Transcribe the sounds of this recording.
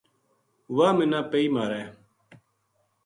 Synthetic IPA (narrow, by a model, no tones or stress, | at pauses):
waːmɪnaːpəiːmaːɾɛː